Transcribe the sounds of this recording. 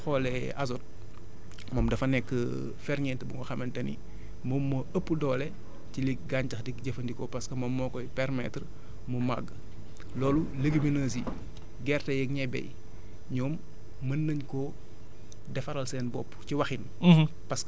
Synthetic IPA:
xɔːlɛ | ɐ̰zɔt̚ | mɔmdɐfɐnɛkːə | fɛɾɲɛtɐbuŋɡɔxɐmɐntɐnḭ | mɔːmːɐəpːdɔːlɛ | ciliɡaːɲtɐxdikɟɐfɐndikɔpɐskɐmɐmːɔkɔjpɛɾmɛtr | muma̰ɡː | lɔːluləɡiminəːs̬i | ɡɛrtɐjəkɲɛbɛ̰j | ɲɔːmː | ɐnːəɲkɔ | dɛfɐɾɐlsɛːnbɔ̰pːciwɐxin | pɐsk

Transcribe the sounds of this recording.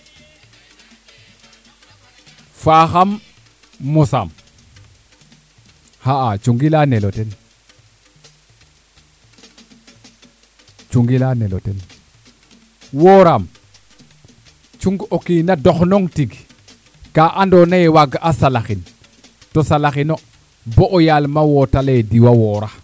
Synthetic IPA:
faːxamː | usa̰m | haʔat͡ʃuŋɡilaneloten | t͡ʃuŋɡilanelo̰ten | woɾam | t͡ʃuŋɡokinadoxnoŋtiɡ | kaʔandonajewaɡʔasalaxin | tosalaxino | boʔojalmawotalediwawoːɾa

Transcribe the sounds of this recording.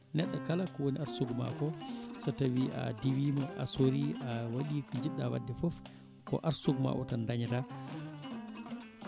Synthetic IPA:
nɛɗːakalakɔwoniaɾsuɡma̰kɔsatawia̰diwiːmaʔa̰soɾiawaɗikɔd͡ʒiɗːawa̰dːɛfɔf | kɔ̰ʔaɾsuɡma̰ʔɔ̰tandaɲta

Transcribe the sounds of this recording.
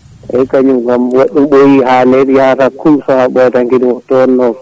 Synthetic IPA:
ɛkaɲumɡamwaɗːumɓojihalɛɗiatakːumsɔhaɓɔjɛtaŋkiɗiwɔtːɔɔnːɔ

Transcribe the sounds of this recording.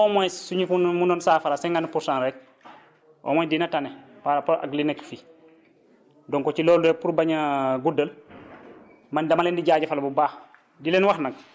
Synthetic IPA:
ɔːmɔjsuɲifumunɔnsaːfaɾasɛŋɡanpuɾsãnɾɛk̚ | ʔɔ̰ːmɔjdinɐtanɛpaɾapɔʔa̰ɡlinekfi | dɔŋkɔt͡ʃilɔːludɛpuɾbaɲaɡudəl | mandɐmalɛndiɟaːɟɐfalbubaːx | dilɛnwaxnɐk̚

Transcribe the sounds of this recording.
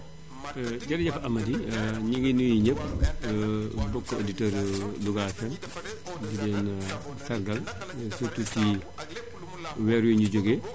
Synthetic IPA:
ɟɐɾɟɐfɐmɐdiɲiɡinujiɲəp̚ː | bɔkːɔoditɔɾluɡafɛn | didɛːn | fɛɾɡɐl | sututːi | wɛːɾwiɲuɟoɡe

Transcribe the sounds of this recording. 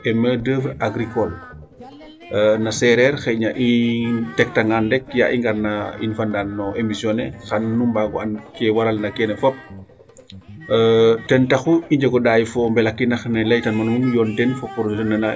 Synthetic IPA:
ʔɛmədəfɾaɡɾikɔl | nɐsɛɾɛɾxɛɲaʔitɛk̚tɐŋɡandɛk̚ja̰ʔiŋɡɐɾnaḭnfandanːɔʔemisjɔnɛxɐnːumbaɡɔ̰ɐnkɛwaɾɐlnɐkɛnɛfɔp̚ | tɛntɐxuiɲd͡ʒɐɡɔdaːjfɔmbɛlɐkːinɐxnɐlɐjtɐnmɐnmumjɔːntɛnfɔpɔɾtɐnːɐna

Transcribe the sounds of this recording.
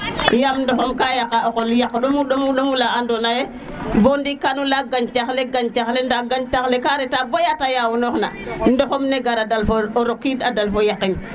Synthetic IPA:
jamndɔxɔmkajakaokoljakːɗomuɗomuɗomulaandonaje | bondikanulaɡaɲt͡ʃaxleɡaɲt͡ʃaxlendaɡaɲtaxlekaɾɛtabojatajawunɔxna̰ndɔxɔmneɡaɾadalfooɾokːitadalfojakːin

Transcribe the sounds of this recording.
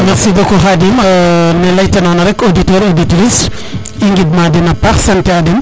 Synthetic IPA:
mɛksibɔkɔɦadimnɛlɐjtɛnɔnɐɾɛkoditɔɾoditɾis | iŋɡid̚madinɐpaxsɐntiadim

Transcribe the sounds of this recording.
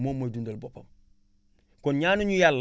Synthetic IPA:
momːodundalbopo̰m | konɲaːnuɲujalː

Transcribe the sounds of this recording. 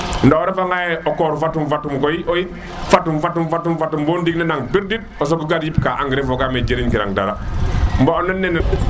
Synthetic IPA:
ndaoɾɛfaŋɡajɛɔkɔɾufatumfatumkojioi | fatumfatumfatumfatumbondiknɛnaŋbiɾdit̚ɔs̬oɡuɡaɾjip̚kaʔaŋɡɾefɔɡamed͡ʒeɾinkiɾa̰ŋda̰ɾambaɔnːɛnːɛnɛ

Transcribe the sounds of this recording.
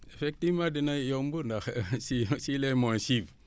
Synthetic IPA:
efek̚tivmãdinajombundaxsisilemonsiv

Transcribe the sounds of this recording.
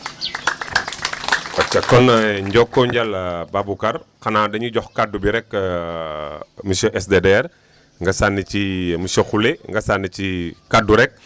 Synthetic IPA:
wɐt͡ʃːɐkːɔnɲɟɔkːɔɲɟɐlbabukɐrkɐnadɐɲuɟɔxkadubiɾɛk | misoʔɛsdedɛr | ŋɡɐsanicimusoxuleŋɡɐsanːicikaduɾɛk̚

